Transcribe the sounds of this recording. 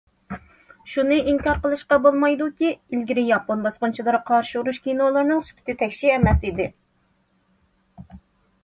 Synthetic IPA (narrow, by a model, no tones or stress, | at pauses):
ʃunɨiŋkʲɑɾqəlˠɨʃqɑbolˠmɑjd̪ukʲiilɡʲiɾɪjɑponbɑsqʊnt͡ʃʰilˠɨɾqʰɑɾʃɪuɾuʃkʲinolˠɨɾnɨŋsu̥pʰɪ̥t̪ʰɪt̪ʰɛkʲʃiɛmɛsɪd̪ɪ